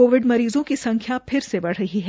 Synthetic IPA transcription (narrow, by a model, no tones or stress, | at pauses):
oːʋɪɖmɐɾiːzõkisɐ̃ŋkʰjapʰɪɾsebɐɽ̤ɾɐɦiɦɛ